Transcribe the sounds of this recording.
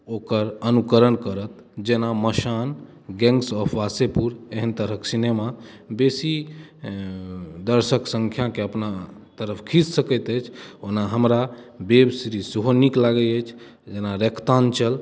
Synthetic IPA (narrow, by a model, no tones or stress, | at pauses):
okəɾənukəɾənkəɾət̪ | d͡ʒenaməʃan | ɡɛ̃ŋɡsɔpʰʋasepuɾeɦənt̪əɾəksinema | besi | d̪əɾsəksə̃ŋkʰjakeəpnat̪əɾəpʰkʰid͡ʒsəkəjt̪əjt͡ʃʰonaɦəmɾabebsɾiseɦoniklaɡəət͡ʃʰ | d͡ʒenaɾekʰt̪ant͡ʃəl